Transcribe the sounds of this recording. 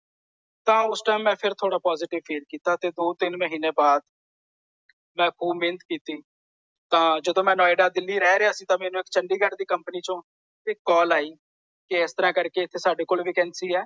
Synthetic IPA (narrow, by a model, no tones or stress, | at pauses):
t̪ãːʊsʈaːmːɛ̃ːpʰɪɾt̪ʰoːɽaːpɔːzɪːʈɪʋfiːlkiːt̪aːt̪eːd̪oːt̪ɪnməɦiːneːbaːd̪ | mɛ̃ːkʰuːbmɪːnət̪kiːt̪iː | t̪ãːd͡ʒəd̪õːmɛ̃ːnɔːɪɖaːd̪ɪlːiːɾɛːɾeaːsĩːt̪ãːmɛːnũːɪkt͡ʃəɳɖiːɡəʈd̪iːkəmpəniːt͡ʃõː | ɪkːɔːlaːiː | kɪɪst̪əɾãːkəɾkeːt̪ʰːeːsaːɖeːkoːlʋiːkɛ̃ːnsiːɛː